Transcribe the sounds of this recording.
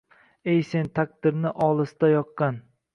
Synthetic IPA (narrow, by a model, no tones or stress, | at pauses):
ejse̞nt̪ʰak̚ʲd̪ɪɾnɪʔɒlˠɪsd̪ajɒqːɑn